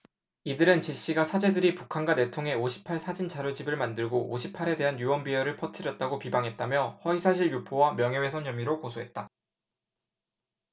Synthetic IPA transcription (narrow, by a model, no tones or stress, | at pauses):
idɯɾɯnt͡ɕiɕ͈iɡasʰad͡ʑe̞dɯɾipukʰanɡwane̞tʰoŋɦe̞oɕʰi̥pʰaɭsʰad͡ʑint͡ɕʰaɾot͡ɕibɯɭmandɯɭɡoʔːɕʰipʰaɾe̞de̞ɦanjuwʌnbiʌɾɯɭpʰʌtʰɯɾjʌt̚t͈aɡopibaŋɦe̞t̚t͈amjʌhʌisʰaɕʰiɭjupʰowamjʌŋɦe̞we̞sʰʌɲjʌmiɾokosʰoɦe̞t̚t͈a